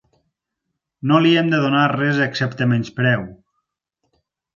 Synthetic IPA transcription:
noliɛmd̪əðonarɛzəksɛpt̪əmɛnspɾɛw

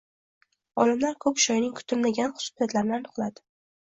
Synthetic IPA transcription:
ɒlɪmlaɾkʰɵkʲʃɒjnɪŋkʰʊ̥t̪ʰʊlmaɡʲanχʊ̥sʊ̥sijat̪laɾɪnanʊqlˠad̪ɪ̥

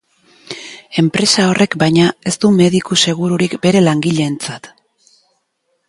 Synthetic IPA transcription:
e̞mpɾe̞sao̞rʔe̞kbajɲae̞st̪ume̞ðikuse̞ɣ̞uɾuɾikbe̞ɾe̞laŋɡiʎe̞ːnt͡sat̪

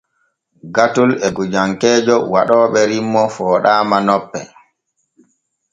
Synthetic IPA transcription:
ɡatulɛɡud͡ʒaŋkɛːd͡ʒɔwaɗɔːɓɛɾimːɔfɔːɗaːmanɔpːɛ̰

